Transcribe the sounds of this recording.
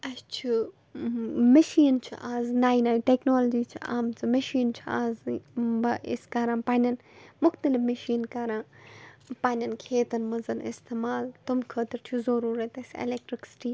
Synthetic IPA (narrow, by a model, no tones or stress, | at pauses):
ɐst͡ʃʰu | mɐʃiːnt͡ʃʰṵʔaːznaːjnaːiʈeːknoːlɐd͡ʒiːt͡ʃʰḭa̰ːmt͡sʰɨmɐʃiːnt͡ʃʰuaːzbɐḭskɐɾãːpaːnʲɐn | mʊxt̪ɐlɪfmɐʃiːnkɐɾãː | paːnʲɐnkʰeːt̪ɐnmɐzɐnɪ̰st̪emaːlt̪umkʰəːt̪ɐɾt͡ʃʰuzɐɾuːɾɐt̪ɐsʲḛlek̚ʈɾiksi̥ʈiː